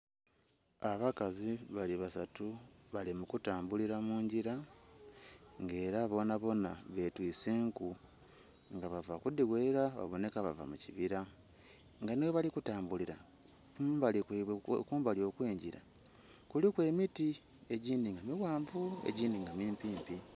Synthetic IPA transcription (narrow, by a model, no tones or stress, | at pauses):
aβakaziβaliβasatuβalimukutaːmbuliɾamuːɲɟiɾa | ŋɡe̞ːɾaβo̞naβo̞naβe̞twiːseːŋku | ŋɡaβavakudiweːɾaβa̰βo̞ne̞kaβa̰va̰muciβiɾa | ŋɡaneweβalikutaːmbuliɾa | kumbalikkuːmbalio̞kweːɲɟiɾa̰ | kulikwe̞ːmiti | e̞ɟiːndiŋɡamiwaːɱvuḛɟiːndiŋɡamiːmpiːmpi